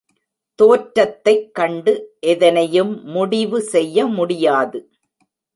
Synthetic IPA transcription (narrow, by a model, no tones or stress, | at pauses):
t̪oːʈɾɐt̪ːɐɪkːɐɳɖɯʔɛðɐnɐjɯmːʊɽɪʋɯsɛjːɐmʊɽɪjaːðɯ